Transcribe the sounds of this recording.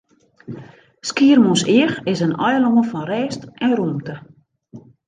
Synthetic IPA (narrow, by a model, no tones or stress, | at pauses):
skiərmosiəxɪsənʔɔjəloŋəfɔnrɛːstɛnrumtə